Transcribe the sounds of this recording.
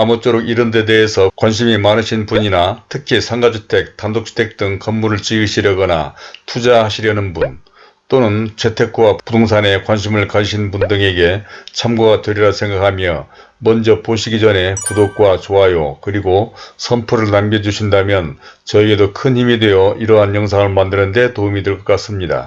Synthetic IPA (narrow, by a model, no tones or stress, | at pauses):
amʌt͡ɕ͈oɾoɡiɾɯnde̞de̞ɦesʰʌkwanɕ̬ʰimimanɯɕʰinpuɲinatʰɯkʰisʰaŋɡad͡ʑʰutʰe̞k̚tandok̚t͡ɕ͈ʰu̥tʰe̞k̚t͈ɯŋkʌmːuɾɯɭt͡ɕiɯɕʰiɾjʌɡʌna̰tʰud͡ʑaɦaɕʰiɾjʌnɯnbun | t͈onɯnt͡ɕʰe̞tʰe̞k͈ʰwappudoŋs̬ʰane̞kwanɕ̬ʰimɯɭkaɕʰinbundɯŋe̞ɡe̞t͡ɕʰamɡuɡatweɾiɾasʰe̞ŋɡakʰamjʌ | mʌnd͡ʑʌpoɕʰiɡid͡ʑʌne̞kudok̚k͈wat͡ɕoɦajokɯɾiɡosʰʌmpʰuɾɯɭnamɡed͡ʑuɕʰindamjʌnt͡ɕʌie̞dokʰɯnçimide̞jʌʔiɾʌɦanjʌŋsʰaŋɯɭmandɯnɯnde̞toumideɭk͈ʌk͈as͈ɯmɲida̰